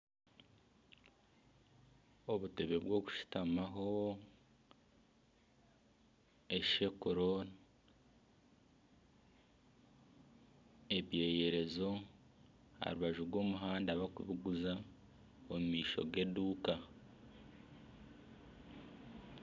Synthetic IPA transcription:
oβute̞βe̞βwo̞ːku̥ʃu̥tamaɦo̞ | eʃe̞koɾona | e̞βje̞ːje̞ɾe̞zo̞ | ha̰ɾuβaʒuɾɡwo̞ːmuɦaːndaβakṵβiɡuza | omumiːʃo̞̰ɡe̞duːka

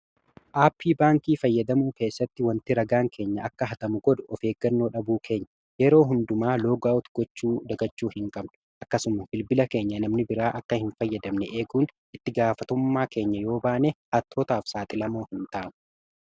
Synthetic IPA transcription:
ʔaːpʰːiːbaːŋkiːfɐjːɐd̪ɐmuːke̞ːsːɐt̪ːɪwɐnt̪ɪɾɐɡaːŋkʰe̞ːɲːɐʔɐkːɐɦɐt̪ɐmʊɡɔd̪ʊɔfe̞ːɡɐnːo̞ːᶑɐbuːkʰe̞ːɲːɐ̥ | jɛɾo̞ːɦʊnd̪ʊmaːlo̞ːɡaːʔɔt̪ɡɔt͡ʃːuːd̪ɐɡɐt͡ʃːuːhɪŋkʼɐbnʊ̥ | ʔɐkːɐsʊmɐbɪlbɪlɐke̞ːɲːɐnɐmnɪbɪɾaːʔɐkːɐhɪnfɐjːɐd̪ɐmnɛʔeːɡuːn | ʔɪt̪ːɪɡaːfɐt̪ʊmːaːke̞ːɲːɐjo̞ːbaːnehɐt̪ʰːoːt̪aːfsaːt̪ʼɪlɐmo̞ːhɪnt̪aːʔnʊ̥

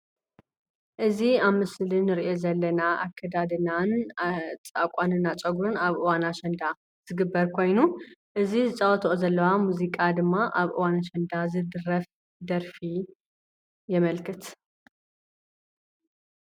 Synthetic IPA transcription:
ʔɨziaβmɨslɨnːɨɾiʔo̞zɐlːɐnaʔakʰːɐd̪ad̪ɨnan | t͡sʼakʼanɨnːat͡ʃʼɐɡuɾɨnaβʔɨwanaʃɐnd̪a | z̥ɨɡɨbːɐɾkʰo̞jnuʔɨzizɨt͡sʼɐwɔt̪ʰʔozɐlːɐwamuzikʼad̪ɨmːaʔaβʔɨ̰wanaʃɐnd̪azɨd̪ɨɾɐf | d̪ɐɾfi | jɛmɐlkʰɨt̪

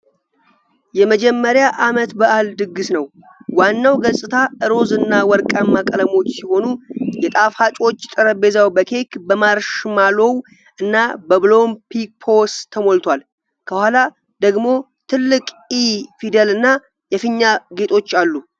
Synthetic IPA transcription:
jɛməd͡ʒɛmːəɾjaʔamət̪bəʔald̪ɨɡɨsnəw | wanːawɡəsʼɨt̪ʰaʔɨɾo̞zɨnːawɔɾkʼamːakʼələmo̞t͡ʃːsiho̞nujɛt̪ʼafhat͡ʃʼo̞t͡ʃːt̪ʼəɾəbe̞zawbəkʰe̞kbəmaɾʃmalo̞w | ʔɨnːabəβɨlo̞mpʰipʰo̞st̪ʰːəmo̞lt̪ʰwal | kʰəhʷala | d̪əɡmo̞ | t̪ʰɨlːɨkʼ | ifid̪əlɨnːa | jɛfɨɲːaɡe̞t̪ʰʼo̞t͡ʃːalːu

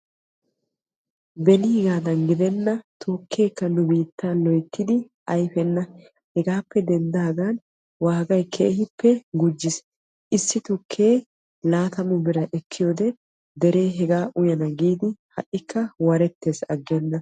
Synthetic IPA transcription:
bɛliːɡaːd̪ɐnɡɪd̪ɛnːɐt̪ʰoːkʰːe̞ːkːɐnʊbiːt̪ːaːlɔjt̪ːɪd̪ɪ | ʔɐjfɛnːɐ | hɛɡaːpːɛd̪ɛnd̪aːɡan | waːɡɐjkʰḛːhɪpːɛɡʊd͡ʒːɪs | ʔɪsːɪt̪ʊkʰːe̞ː | laːt̪ɐmʊbɪɾɐʔɛkʰːɪjoːd̪ɛ | d̪ɛɾe̞ːɦɛɡaːʔʊjɐnɐɡiːd̪ɪhɐʔɪkːɐwɐɾɛt̪ːeːsɐɡːɛnːɐ

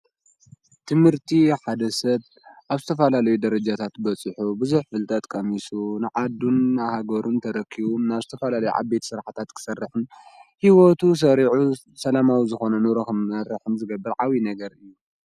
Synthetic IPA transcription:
t̪ʰɨmhɨɾt̪ʰiħad̪ɐsɐβ | ʔaβzɨt̪ʰɐfɐlalɐjud̪ɐɾɐd͡ʒat̪ʰat̪bɐt͡sʼɨħubɨzuħfɨlt̪ʼɐt̪ʼkʼɐmisunɨʕad̪unahaɡɐɾʔumt̪ʰɐɾɐkʰːiβumnaβzɨt̪ʰɐfɐlalɐjṵʕa̰bet̪sɨɾħat̪ʰat̪kʰɨ̥sɐrːɨħɨnhiwot̪ʰus̬ɐɾiʕu | sɐlamawizɨxo̞nɐnɨɾɐxɨmɐɾɨħɨmzɨɡɐbːɨlʕawinɐɡɐɾɨjːu

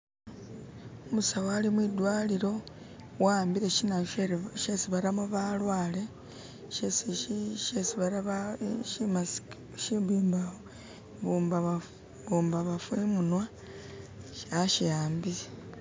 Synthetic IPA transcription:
omusawalimwidwaːliɾo̞ | waːmbiɾe̞ʃinaʃesiβaɾamuβalwaːle̞ | ʃesʃesiβaɾaβaʃimas | ʃibiːmbao | βuba | βuːmbaβafwemunwa | ʃaʃijaːmbiɾe

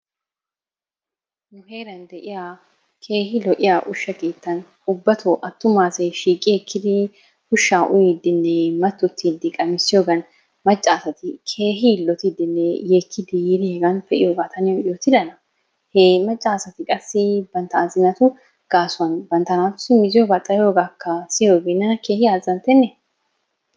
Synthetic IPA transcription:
nʊheːɾɐnd̪ɛʔɪja | kʰe̞ːɦɪlɔʔɪjaʔʊʃːɐɡe̞ːt̪ːɐn | ʊbːɐt̪ʊʔɐt̪ːʊmaːseʃiːkʼːɪjɛkʰːɪd̪ɪ | hʊʃːaːʔʊjid̪ɪnːɛmɐt̪ːʊt̪ːid̪ɪkʼɐmɪsːɪjoːɡɐn | mɐt͡ʃʼːaːsɐt̪ɪkʰe̞ːɦɪːlːɔt̪ɪd̪ɪnːɛjeːkːɪd̪ɪjɪd̪ɪheɡɐnfɛʔɪjoːɡaːt̪ɐnɪjoɪjɔt̪ɪd̪ɐnɐ | heːmɐt͡ʃʼːaːsɐt̪ɪkʼɐsːɪbɐnt̪ɐːzɪnɐt̪ʊ | ɡ̥aːsʊɐnbɐnt̪ɐnaːt̪ʊ̥sɪmɪzɪjɔbɐt̪ʼːɐjo̞ːɡaːkʰːɐsɪjoːɡenːɐnke̞ːhɪjaːzɐnt̪ɛnːɛ

